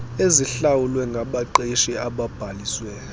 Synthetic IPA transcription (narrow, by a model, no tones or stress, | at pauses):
eziɬawulwɛŋɡʱaɓaǃeʃiaɓab̥ʱaliːswɛ